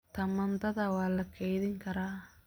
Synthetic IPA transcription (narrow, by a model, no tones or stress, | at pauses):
t̪ɐmːɐnd̪ɐd̪awaːlːɐkʰːejd̪ɪŋkɐɾa